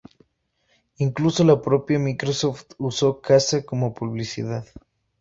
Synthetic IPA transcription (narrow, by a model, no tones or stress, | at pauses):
iŋkluso̞lapɾo̞pjamikɾosoft̪uso̞kasakomopuβlisḭðað